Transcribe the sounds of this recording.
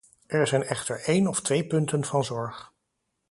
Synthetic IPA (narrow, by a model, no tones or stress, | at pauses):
ʔɛɹzɛjnɛχtəɹejnɔftʋejpɵntənvɑnzɔɹχ